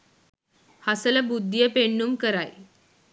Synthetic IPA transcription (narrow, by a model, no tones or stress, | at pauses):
hasəlabud̪ːijəpeɳːumkəɾaj